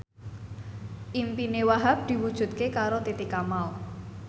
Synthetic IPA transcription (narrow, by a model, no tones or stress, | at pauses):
ʔimpinewaɦap̚d̪̥i̤wud̥ʒ̥ṳt̪̚kekaɾot̪it̪ikamal